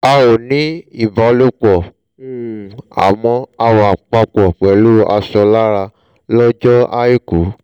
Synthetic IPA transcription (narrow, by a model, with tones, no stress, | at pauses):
a˧wo˨nĩ˨˦i˦˨ba˨˧lo˦k͡pɔ˨ | u˦˨a̰˨mɔ̃˧a˧wa˨k͡pa˧k͡pɔ˨k͡pɛ˨˦lu˦a̰˧sɔ˧la˦ɾa˧ | lɔ˦d͡ʒɔ˦a˦ji˦ku˨˦